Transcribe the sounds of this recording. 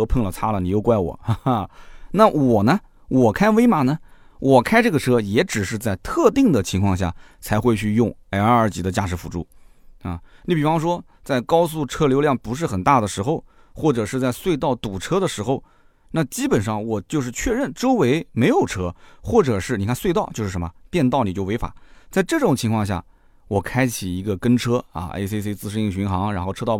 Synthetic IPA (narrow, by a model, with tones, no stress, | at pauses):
pʰə˥˩ŋlə˩t͡sʰa˥lə˨ni˨˩jo˥˧ʊkwa˥ɪwɔ̰˨˩˦ | na˥˩wɔ˨˩nə˦ | wɔ˨˩kʰa˥ɪwe˥ɪma˨˩nə˧ | wʔɔ˨˩kʰa˥ɪʈ͡ʂɤ˥˩ɡə˩ʈ͡ʂʰɤ˥jɛ˧˥ʈ͡ʂɻ̩˨˩ʂ̬ɻ̩˥˧t͡sa˥˧ɪt̪ʰɤ˥˧t̪i˥˩ŋd̪ə˩t͡ɕʰi˧˥ŋkʰwɑ˥˧ŋɕja̰˥˩t͡sʰa˧˥ɪxwe˥˧ɪt͡ɕʰy˥˧jʊ˥˧ŋa˧˥˧ə˞˧˥t͡ɕi˧˥d̪ə˧t͡ɕja̰˥˩ʂɻ̩˧˥fu˨˩ʈ͡ʂu˥˩ | ɐ˥˩ni˧˥˩pi˨˩fɑ˥ŋʂwɔ˥ | t͡sa˥˩ɪkɑ˥ʊs̬u˥˩ʈ͡ʂʰɤ˥ljo˧˥ʊljɑ˥˩ŋpu˧˥ʂ̬ɻ̩˥˩xə˨˩nt̪a˥˩d̪ə˩ʂɻ̩˧˥xo˧ʊ | xwɔ˥˩ʈ͡ʂɤ˨˩ʂɻ̩˥˧t͡sa˥˧ɪswe˥˧ɪt̪ɑ˥˩ʊt̪u˨˩ʈ͡ʂʰɤ˥d̪ə˨ʂɻ̩˧˥xo˥˧ʊ | na˥˩t͡ɕi˥pə˨˩nʂɑ˥˩ŋwɔ˨˩t͡ɕjo˥˧ʊʂɻ̩˥˧t͡ɕʰɥɛ˥˧ɻə˥˩nʈ͡ʂo˥ʊwe˧˥ɪme˧˥ɪjo˨˩ʊʈ͡ʂʰɤ˥xwɔ˥˩ʈ͡ʂɤ˨˩ʂɻ̩˥˩ni˨˩kʰa˥nswe˥˧ɪt̪ɑ˥˧ʊt͡ɕjo˥˧ʊʂɻ̩˥˩ʂə˧˥mə˧˩pjɛ˥˧nt̪ɑ˥˩ʊni˨˩t͡ɕjo˥˩ʊwe˧˥ɪfa̰˨˩˦t͡sa˥˧ɪʈ͡ʂɤ˥˩ʈ͡ʂʊ˨˩ŋt͡ɕʰi˧˥ŋkʰwɑ˥˧ŋɕ̬ja̰˥˩ | wɔ˨˩kʰa˥ɪt͡ɕʰi˨˩i˧˥ɡə˧kə˥nʈ͡ʂʰɤ˥ɐ̰˧ḛ˥se˥se˥t͡sɹ̩˥˧ʂɻ̩˥˧i˥˩ŋɕy˧˥nxɑ˧˥ŋɻa˧˥nxo˥˧ʊɤ˥t̪ɑ˥˧˩